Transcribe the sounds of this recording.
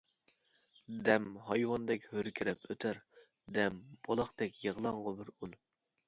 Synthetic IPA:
d̪ɛmhɑjwɑnd̪ɛkʲhøɾkʲʰiɾɛpʰøt̪ʰæɾ | d̪ɛmb̥olˠɑχt̪ɛkʲjəʁlˠɑɴʁʊbɪɾun

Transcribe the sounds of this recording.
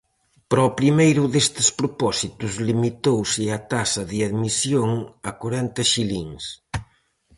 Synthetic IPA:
pɾɔpɾimejɾʊðest̪ɪ̥spɾopɔsit̪uzlimit̪owsɪɐt̪asɐðɪaðmisjoŋɐkoɾɛnt̪ɐʃiliŋs

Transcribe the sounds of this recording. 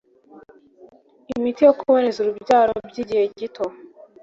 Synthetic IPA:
imitijokʰuβonezuɾubɟaːɾobɟiːɟihe̞ɟitʰo

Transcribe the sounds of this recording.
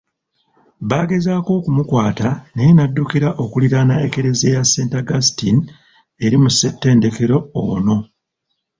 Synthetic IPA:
βaːɡe̞zaːko̞ːkumukwaːtanejenadːukiɾaʔo̞kuliɾanae̞ke̞ɾe̞ze̞jasːe̞ːntaɡastin | e̞ɾimusːe̞tːe̞ːnde̞ke̞ɾo̞ːno̞

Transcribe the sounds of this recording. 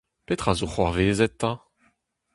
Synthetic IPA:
pet̪χazoχwa̰ʁveːzɛt̪ːã

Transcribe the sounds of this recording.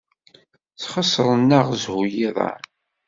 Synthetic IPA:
t͡sχəsˤːɾˤənːəʁzhujiðˤɑ̰

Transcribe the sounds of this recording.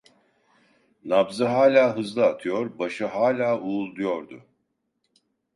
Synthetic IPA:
nabzɯɦaːlʲaːɦɯzlˠɯat̪ʰɯjo̞ɾbaʃɯɦaːlʲaːuːlˠd̪ujo̞ɾd̪ʊ̰

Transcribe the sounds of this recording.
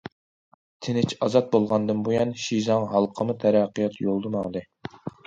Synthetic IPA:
t̪ʰɪnɪt͡ʃʰɑzɑt̪̚bolˠʁɑnd̪ɨnbojɑnʃizɑŋɦɑlˠqʰəmut̪ʰæɾɑqʰːijɑt̪jolˠd̪ɨmɑŋd̪ɨ

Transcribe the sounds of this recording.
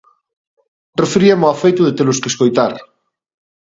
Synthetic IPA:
refeɾiamoafejt̪ʊðet̪eloskeskojt̪aɾ

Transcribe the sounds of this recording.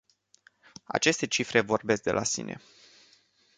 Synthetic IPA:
a̰t͡ʃe̞st̪e̞t͡ʃifɾe̞vo̞rbe̞sk̚d̪e̞lasḭnʔe̞̰

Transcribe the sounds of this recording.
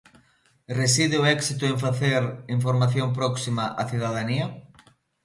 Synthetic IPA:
res̬iðeʊɛksit̪ʊeɱfaθeɾiɱfoɾmaθjomp̬ɾɔksimaʔaθiðað̞ania

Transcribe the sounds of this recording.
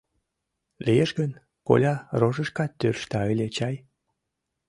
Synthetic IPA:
lijeʃɡən | ko̰lʲɑroʒəʃkɑt̪ːørʃt̪ɑəlʲet͡ɕɑj

